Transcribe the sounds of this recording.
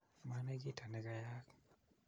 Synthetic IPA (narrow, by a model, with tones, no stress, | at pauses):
ma˦ne˦ɡi˦tʰa˨nɛ˨ɡa˨ja˦k